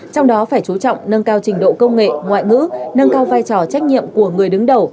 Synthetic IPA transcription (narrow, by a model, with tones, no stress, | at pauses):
t͡ɕɔ˧wŋ͡mɗɔ˨˦faː˧˩jt͡ɕu˨˦t͡ɕɔ̰˧˨wŋ͡mnə˧nkaː˧wt͡ɕï˨˩ŋ̟ɗo̰˧˨kə˧wŋ͡mŋḛ˧˨ŋwa̰ː˧˨jŋɨ̰˧˥nə˧nkaː˧wvaː˧jt͡ɕɔ˨˩t͡ɕa˦˥k̚ɲḭ˧˨əmku˧˩əŋɨ˨˩əjɗɨ˨˦ŋɗə˨˩w